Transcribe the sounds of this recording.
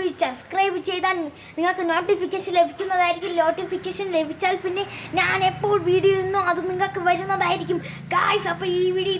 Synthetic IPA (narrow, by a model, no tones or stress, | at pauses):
sɐbskrɐjbɨt͡ɕe̞jt̪aːn | niŋːɐɭkɨno̞ːʈːifikʲːeʂɐnle̞bʱikʲːunːɐðaːjiɾikʲːumno̞ːʈːifikʲːɐːʂɐnle̞bʱit͡ɕːaːlpinːe̞ɲaːne̞pːo̞ːɭʋiːɽijunːoɐðɨniŋːɐɭkɨʋɐɾunːɐðaːjiɾik̬ʲːum | ɡa̰ːjsɐpːɐːiːʋiːɽiɐ